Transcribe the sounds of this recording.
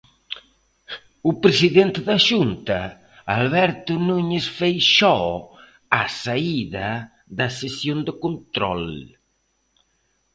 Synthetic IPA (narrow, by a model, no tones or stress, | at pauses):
ʊpɾesiðent̪ɪðɐʃunt̪ɐ | alβɛɾt̪ʊnuɲesfejʃɔ | asaiðɐ | ðɐsesjond̪ɪkont̪ɾɔ̰l